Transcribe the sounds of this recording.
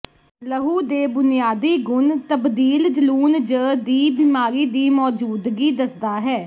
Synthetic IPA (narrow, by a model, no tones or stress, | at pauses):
ləɦuːd̪eːbʊnijaːd̪iːɡʊnt̪əbd̪iːld͡ʒəluːnd͡ʒəːd̪iːbɪmaːɾiːd̪iːmɔːd͡ʒuːd̪ɡiːd̪əsd̪aːɦɛː